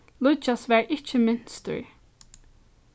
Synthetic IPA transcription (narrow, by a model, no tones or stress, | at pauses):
lˠʊt͡ʃasʋæɹʔɪt͡ʃːəmɪn̥st̪ə̰ɹ